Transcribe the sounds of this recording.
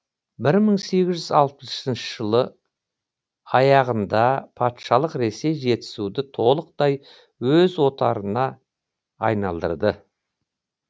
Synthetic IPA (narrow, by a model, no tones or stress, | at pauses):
bɪɾməɴse̞ɡʲɪzʒʏzɑlˠpəssɪnʃə̥ʒ̥əlˠə | ɑjɑʁənd̪ɑpʰɑt̪ʃɑlˠəqɾe̞se̞jʒe̞t̪ɪ̥sud̪ɪt̪ʰo̞lˠəq̚d̪ɑj | wɵzwo̞t̪ɑɾənɑ | ɑjnɑlˠd̪ə̰ɾd̪ə